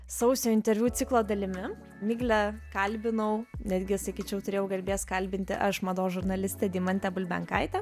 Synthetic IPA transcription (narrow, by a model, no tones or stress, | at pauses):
sɐʊsʲoːɪnʲt̪ʲɛɾʲʋʲuːt̪sʲɪklˠoːd̪ɐlʲɪmʲɪ | mʲiːɡlʲɛkɐlʲbʲɪnɐʊnʲæːd̪ʲɡʲɪsɐkʲiːt͡ʃʲɛʊt̪ʊɾʲeːjɛʊɡɐlʲbʲeːskɐlʲbʲɪnʲt̪ʲɪʔɐʃmɐd̪oːʒʊɾnɐlʲɪsʲt̪ʲɛd̪ʲiːmɐnʲt̪ʲɛbʊlʲbʲɛ̰ŋkɐɪt̪ʲɛ